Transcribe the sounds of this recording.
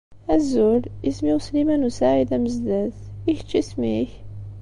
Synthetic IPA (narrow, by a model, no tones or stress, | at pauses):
æzulismiwslimænusaʕid̪æməzd̪æðiçə̥t͡ʃːismiç